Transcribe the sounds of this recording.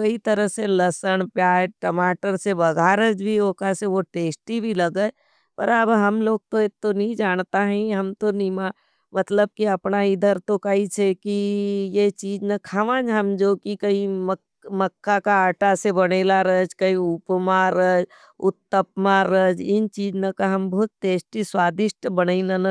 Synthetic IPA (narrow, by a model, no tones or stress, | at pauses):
kɐit̪ɐɾəɦselɐsəɳ̃pjaːd͡ʒʈəmaːʈəɾsebɐɡʱaːɾəd͡ʒbʱiokaseʋoʈeːsʈibʱilɐɡə | pə̰ɾəbɦɐmloːɡ̚t̪oet̪ːonɐɦĩd͡ʒaːɳ̃t̪aɦɛ̃ɦɐmt̪onĩma | mɐt̪ləb̚kiɐpnaid̪ʱəɾt̪okait͡ʃʰekijet͡ʃiːd͡ʒnɐkʰaʋãd͡ʒɦɐmd͡ʒoːkikɐimə | mɐkːakaaːʈasebɐɽeːlaɾəd͡ʒkɐĩupmaɾəd͡ʒ | ʊt̪ːəp̚maɾəd͡ʒɪnt͡ʃiːd͡ʒnɐkaɦɐmbɐɦʊt̪̚ʈeːsʈiswaːd̪ɪʃʈbɐnəinɐnɐ